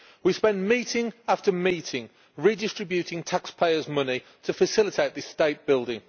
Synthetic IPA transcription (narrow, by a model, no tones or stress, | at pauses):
wispɛ̃nmiˑtʰɪ̃ŋaftəmiˑtʰɪ̃ŋ | ɹidɪstɹ̥ɪbjʉtʰɪ̃ŋtʰakspʰeɪəzmʊnɪ | tʰəfəsɪlɪtʰeɪʔðɪsteɪʔ̚b̥ɪlˠdɪ̃ŋ